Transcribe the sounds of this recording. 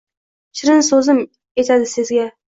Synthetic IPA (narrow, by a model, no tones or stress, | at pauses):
t͡ʃʰɪɾɪnsɵzɪm | e̞t̪ʰad̪ɪsɪzɡʲa